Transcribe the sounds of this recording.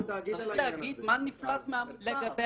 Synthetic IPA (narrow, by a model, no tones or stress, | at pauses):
leaɡid̪manːiflat͡smeamleɡabe